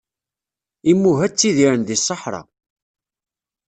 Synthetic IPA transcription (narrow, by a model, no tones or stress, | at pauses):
imːuɦæt͡sːiðiɾənðisˤːəħɾˤɑ̰